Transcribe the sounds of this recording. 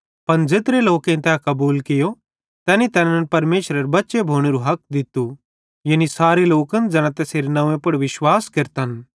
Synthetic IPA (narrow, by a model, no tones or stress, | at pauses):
pɐnd͡zet̪ɾeloːkẽt̪ɛkɐbuːlkɪjo | t̪ɛːnit̪ɛːnɐ̃npɐɾmeːʃɾəɾbɐtːʃebʱoːɽ̃eɾuɦɐk̚d̪ɪt̪u | jɐnisaːɾeloːkənd͡zɐɽ̃ãt̪ɛseːɾnɐʋẽpɐɽʋɪʃwaːskɪɾt̪ən